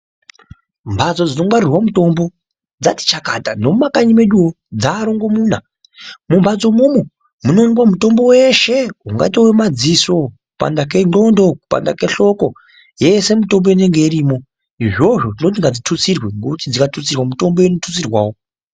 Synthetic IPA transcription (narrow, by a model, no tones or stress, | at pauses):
mbʱad͡zo̞d͡zino̞mwaɾirwamuto̞mbo̞ | d͡zati̥t͡ʃakatando̞mumakaɲime̞ɗuo | d͡zaːɾoŋɡo̞muːna | mumbʱad͡zo̞mumu | muno̞ŋɡwamuto̞mbo̞weʃe̞uŋɡa̰towemad͡ziso̞kupa̰ndak̬e̞nɡo̞ndo̞ku̥pa̰nda̰ke̞ɬo̞ko̞ | je̞se̞muto̞mboineŋɡe̞iɾiːmo̞ | iʐo̞ʐo̞tino̞t̬iŋɡad͡zitʰut͡sirweŋɡoutid͡zikatʰut͡sirwamuto̞mboenotʰut͡sirwaːwo